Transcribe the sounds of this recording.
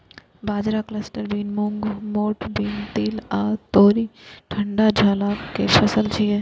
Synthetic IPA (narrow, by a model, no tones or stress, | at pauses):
baːd͡ʒɾakləsʈəɾbiːnmʊ̃ŋɡmoːʈbiːnt̪iːlaːt̪oːɾiʈʰɐ̃ɳɖad͡ʒʱaːlakepʰɐsəlt͡ʃʰie